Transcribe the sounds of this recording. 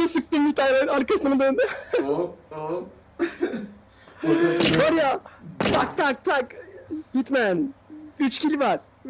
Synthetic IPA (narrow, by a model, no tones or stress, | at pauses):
asɯk̚t̪ɯmjit̪ajlaaɾkasɯnmad̪ønd̪ɛ | oɾjat̪ʰak̚t̪ʰak̚t̪ʰakjit̪mænyt͡ʃcʰilʲivaɾ